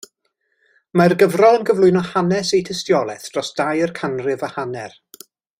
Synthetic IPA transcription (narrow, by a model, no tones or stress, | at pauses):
marɡəvrɔlˠənɡəvlˠʊɨnɔhanɛsejtʰəstjɔlˠɛθdrɔsd̥ajərkʰanrɪvəhanɛr